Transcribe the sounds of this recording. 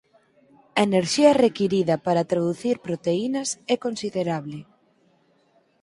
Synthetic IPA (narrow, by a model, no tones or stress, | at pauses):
ɐeneɾʃiɐrekiɾiðɐpaɾɐt̪ɾaðuθiɾpɾot̪einɐsɛkonsiðeɾaβlɪ